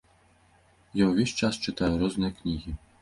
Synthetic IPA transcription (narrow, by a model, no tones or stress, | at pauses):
jawvʲɛsʲt͡ʃast͡ʃɨt̪ajuɾɔznɨjɐknʲiɣʲi